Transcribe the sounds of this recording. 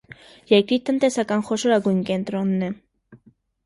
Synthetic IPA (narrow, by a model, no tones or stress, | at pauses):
jɛɾkɾiɾt̪ənt̪ɛsɑkɑnχɔʃɔɾɑɡujnkɛnt̪ɾɔnːɛ